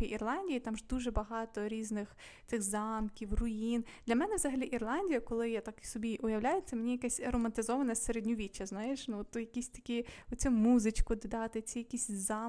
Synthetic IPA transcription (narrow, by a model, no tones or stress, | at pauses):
iʔirlˠɑnʲdʲijit̪ɑmʒd̪uʒɛbɐɦɑt̪ɔɾʲiznɪx | t̪sɪxzɑmkʲiwrʊind̪lʲɐmɛnɛʋzɐɦɐlʲiʔirlˠɑnʲdʲijɐkɔlˠɪjat̪ɑki̥sɔbʲiʔʊjɐwlʲajet͡sʲːɐmenʲijɐkasʲɾɔmɐnt̪ɪzɔʋɐnɐseɾedʲnʲɔʋʲit͡ʃːɐznɑjeʃnut̪ʊjɐkʲisʲt̪ɐ̥kʲiɔt͡sʲumuzɪt͡ʃkʊd̪ɪd̪ɑt̪ɪt͡sʲijɐkʲisʲzɑ